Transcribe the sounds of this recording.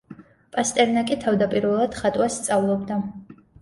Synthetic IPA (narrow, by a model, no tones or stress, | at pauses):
pʼast̪ʼɛɾnakʼit̪ʰavd̪apʼiɾvɛlˠad̪̥χat̪ʼwasːt̪sʼavlˠɔbd̪a